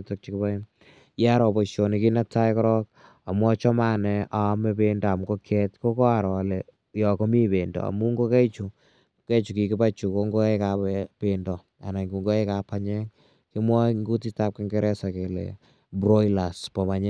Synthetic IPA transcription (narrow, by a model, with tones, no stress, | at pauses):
tɔk̚t͡ʃikɪba˦ | ja˦ɾɔ˨pɔ˨ʃo˨ni˨ki˦na˦ta˦jkɔ˦ɾɔ˦k̚ | a˨mwɔ˦t͡ʃɔ˦ma˦nɛ˨ʔa˨˦mɛ˦bendaː˨m˨ko˦kʰɛtko˦kɔ˦a˨ɾɔ˨le | jɔ˨ko˦mi˦be˨ndɔ̰˨a̰˨mu˦ŋɡo˦ke˦t͡ʃu˨ | ke˦t͡ʃu˨ki˨kɪ˦pa˦t͡ʃu˨ko˦ŋɡo˦ekape˨ndɔ˨ | a̰˨na˨ŋɡu˨ŋɡo˦e˦ka˨pa˦ɲɛ˦ŋ | ki˦mwɔ˦ŋɡu˦ti˦tap̚kɪ˦ŋɡɛ˦ɾɛ˦sa˨ke˨lḛ˨ | bɾɔ˦la˨spɔ˨maɲɛ˦